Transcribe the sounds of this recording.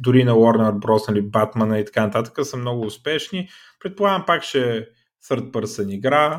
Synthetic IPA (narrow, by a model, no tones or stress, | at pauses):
d̪ʊɾinɐwɔɾnəɾbɾɔsnɐlibat̪mɐnəit̪ɐ̥kanɐt̪at̪ə̥kəsəmnɔɡʊːspɛʃni | pɾɛt̪̚pʊlˠaɡəmpakt͡ʃɛ | sɤɾt̪̚pəɾsəniɡɾa